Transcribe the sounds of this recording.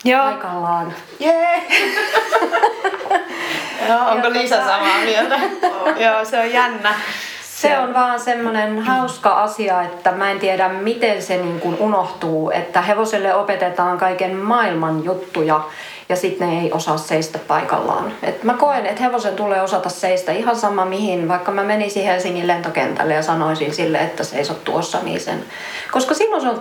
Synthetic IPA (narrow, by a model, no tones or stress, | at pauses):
joːikɑlːɑːn | je | ooŋkolisæsɑmɑːmiet̪æjoːseojjænːæ | seonʋɑːnsemːonenhɑuskɑʔɑsiɑet̪ːæmæent̪ieɾæmmit̪enseniːŋkununoht̪uːḛt̪ːæheʋoselːeopet̪et̪ɑːŋkɑikenmɑilmɑnjut̪ːujɑ | jɑsit̪neeiʔosɑːsseist̪æppɑikɑ̰lːɑ̰ːnḛt̪mækoenet̪heʋosent̪ulˑeːosɑt̪ɑsseist̪æihɑnsɑmɑmihinʋɑikːɑmæmeninsihelsiŋːilent̪okḛnt̪æ̰lːejɑsɑnoisinsilːḛet̪ːæseisot̪t̪ṵosːɑ̰nḭːsḛn | koskɑsilːõnseol